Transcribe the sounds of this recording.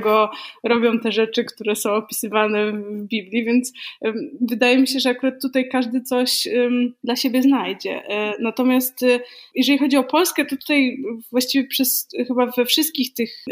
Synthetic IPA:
ɡɔɾɔbʲjɔ̃w̃t̪ɛʐɛt͡ʂɘkt̪uɾɛsɔ̃w̃ɔpʲi̥sɘvanɛvbʲiblʲjivʲjɛnt̪s | vɘd̪ajɛmʲiɕ̬ɛʐɛakuɾat̪ːut̪ajkaʐd̪ɘt̪sɔɕd̪laɕebʲjɛznajd͡ʑɛ̰nat̪ɔmʲjast̪jɛʐɛlʲixɔd͡ʑiɔpɔlskɛt̪ɔt̪u̥t̪ajvwaɕt͡ɕivʲjɛpʂɛsxɘbavɛfʂɨst̪̚kʲixt̪ɘx

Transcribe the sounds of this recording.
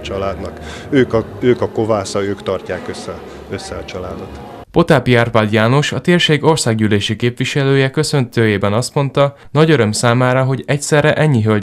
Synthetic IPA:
t͡ʃɒlaːd̪nɒk | øːkɒøːkɒko̞vaːsɒøːkt̪ɒrcaːkøsːɛ | øsːɛɒt͡ʃɒlaːd̪o̞t̪ | po̞t̪aːpiaːrpaːd̪jaːno̞ʃɒt̪eːrʃeːɡo̞rsaːɡɟyːleːʃikeːpʋiʃɛløːjɛkø̞sø̞nt̪øːjeːbɛnɒst̪mo̞nt̪ɒnɒɟøɾø̞msaːmaːɾɒɦo̞ɟɛcsɛrːɛʔɛɲːiɦøl

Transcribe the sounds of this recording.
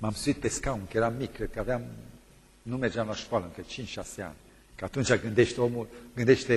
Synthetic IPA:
mamsuit̪̚peskauŋkəjeɾamikːɾed̪̚kəavea | numed͡ʒanlaʃkoaləŋkət͡ʃint͡ʃʃasea̰nʲ | kəat̪unt͡ʃaɡɨnd̪eʃt̪eomulɡɨnd̪eʃt̪e

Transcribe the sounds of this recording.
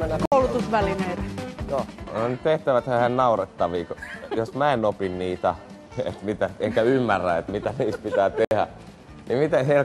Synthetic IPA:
koulut̪usʋælineit̪joonyt̪eht̪æʋæt̪hææhænnɑuret̪ːɑʋiːkojosmæenopinniːt̪æ | ḛt̪mit̪æeŋkæymːærːæet̪mit̪æniːst̪pit̪æːt̪ehæ̰ | nimit̪eheil

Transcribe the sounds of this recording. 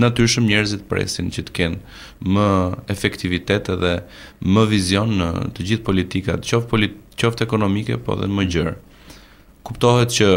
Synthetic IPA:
nat̪yɾʃəmɲɛɾəzit̪əpɾɛ̰sint͡ɕət̪ə̥kɛn | məɛfɛkt̪ivit̪ɛt̪ɛðɛ | məvizjɔnːə̰t̪əd͡ʑiθpɔlit̪ika̰t̪t͡ʃɔfɔlit͡ɕɔft̪ɛkɔnɔmikɛ̰pɔ̰ðɛ̰məɟəɾ | kupt̪ɔɦɛt̪̚t͡ɕə

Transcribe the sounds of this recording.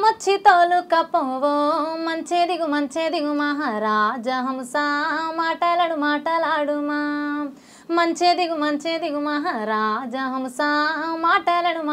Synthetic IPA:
mɐt͡ʃʰit̪oːlukɐpːoʋomɐnt͡ʃeːd̪iɡumɐnt͡ʃeːd̪iɡumaɦaɾaːd͡ʒɐɦɐmusamaːʈɐlɐɽumaːʈɐlaːɽuma | mɐnt͡ʃeːd̪iɡumɐnt͡ʃeːd̪iɡumaɦaɾaːd͡ʒɐɦɐmusaːmaːʈɐlɐɽum

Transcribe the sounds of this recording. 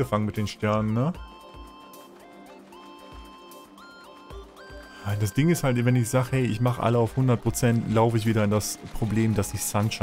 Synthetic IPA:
əfaŋənmɪt̚d̥eːnʃtɛɐnənːə | jaɪnd̥asd̥ɪŋɪsthaltvɛnɪçz̥aːɡəhɛɪʔɪ̰çmaχəʔa̰ləaʊfhʊndɐt̚pʁ̥ot͡sɛntlaʊfəɪç̬v̥iːɾɐɪndaspʁ̥obleːmdasɪçz̥antʃa

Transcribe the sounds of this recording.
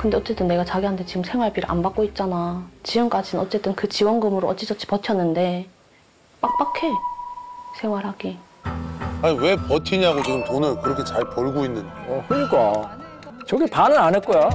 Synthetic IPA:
kɯnde̞ʌtt͡ɕ͈e̞t͈ɯnːe̞ɡat͡ɕaɡiɦantʰet͡ɕiɡɯmsʰe̞ŋwaɭp͈ʰiɾɯ̰ʔa̰nbak͈oit̚t͡ɕ͈anat͡ɕiɡɯmk͈ad͡ʑinɯnʌtt͡ɕ͈e̞t͈ɯnkɯt͡ɕiwʌnɡɯmɯɾoʌt͡ɕ͈id͡ʑʌt͡ɕʰi̥pʌtʰjʌnːɯnde̞ | p͈ak̚p͈akʰe̞ | sʰe̞ŋwaɾɦaɡi | aɲiwe̞pʌtʰiɲiaɡot͡ɕiɡɯmtonɯɭkɯɾʌkʰe̞t͡ɕaɭpʌɭɡoinːɯnkʰɯɲiɡa | t͡ɕʌɡipanɯɾanek͈oja

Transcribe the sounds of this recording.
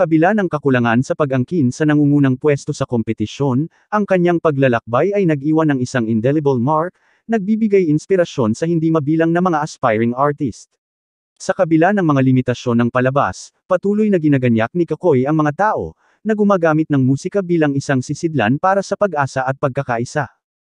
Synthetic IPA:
kɐbɪlanɐŋkɐkʊlɐŋansɐpɐɡʔɐŋkinsɐnɐŋuːŋuːnɐŋpwɛst̪o̞sɐko̞mpɛt̪ɪʃjo̞n | ʔɐŋkɐɲːaŋpɐɡlɐlɐk̚bajɐjnɐɡ̚ʔiːwɐnɐŋɪsaŋɪnd̪ɛlɪbɐlmaɹk̚ | nɐɡ̚bibɪɡajɪnspɪɾɐʃo̞nsɐhɪnd̪imɐbiːlɐŋnɐmɐŋaʔɐspajɹɪŋaɹt̪ɪst̪̚ | sɐkɐbɪlanɐŋmɐŋalɪmɪt̪ɐʃo̞nːɐŋpɐlɐba̰spɐt̪uːlojnɐɡɪnɐɡɐɲjak̚nɪkɐko̞jɐŋmɐŋat̪aːʔo̞̰ | nɐɡʊmaːɡaːmɪt̪̚nɐŋmuːsɪkɐbiːlɐŋɪsaŋsɪsɪd̪la̰npaːɾɐsɐpɐɡʔaːsɐʔɐt̪̚pɐɡ̚kːɐkaʔɪsa

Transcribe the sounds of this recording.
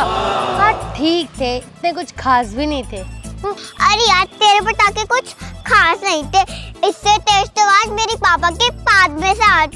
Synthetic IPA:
aːd͡ʒʈʰiːk̚t̪ʰeɪt̪nẽk̬ʊt͡ʃʰkʰaːsbʱinɐɦĩt̪ʰeː | ɐɾiaːd͡ʒt̪eːɾepɐɾt̪aːkekʊt͡ʃʰkʰaːsnɐɦĩt̪ʰeɪsːet̪eːsʈ̪oʋaːd͡ʒmeːɾipaːpakepaːd̪̚mẽsaːt̪̚ʰ

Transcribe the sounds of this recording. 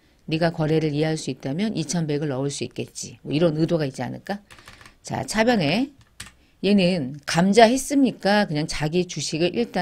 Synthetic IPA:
niɡakwʌɾe̞ɾɯɾieɦaɭs͈uit̚t͈amjʌnʔit͡ɕʰʌnbe̞ɡɯɭːʌuɭs͈uḭt̚k͈e̞t̚t͡ɕ͈imʌiɾʌnɯdoɡait̚t͡ɕ͈ia̰nɯ̰ɭk͈at͡ɕa̰t͡ɕʰabjʌne̞ | je̞nɯnkamd͡ʑahe̞s͈ɯmɲik͈akɯɲaŋt͡ɕaɡit͡ɕuɕʰiɡɯʔiɭt͈a

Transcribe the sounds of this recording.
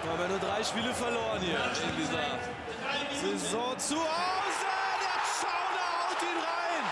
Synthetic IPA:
hamviːɐnuɐdʁaɪʃpiːləfɛɐloːʁənhiːɐɪndiːzɐ | zezɔ̃ːt͡suaʊzədɛʃaʊdəaʊtinʁaɪn

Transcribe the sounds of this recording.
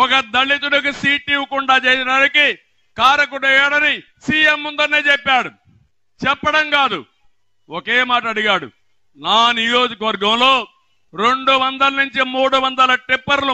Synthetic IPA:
ɔkɐd̪ɐɭːit̪̬uɽɐkusiːʈːiʋukuɳɖaːt͡ʃeːsiɖaːniki | kaːɾɐk̬uɽɛjaːɽɐni | siːemːund̪ɐnːeːt͡ʃɛpːaːɽu | t͡ʃɛpːɐɽɐŋkaːd̪ṵ | oke̞ːmaːʈɐɐɽiɡaːɽṵ | naːnijo̞ːd͡ʒɐkɐʋɐɾɡɐmlo̞ː | ɾeɳɖuʋɐnd̪ɐlɐnuɲt͡ʃimuːɽuʋɐnd̪ɐlɐʈɾepːɐɾlu

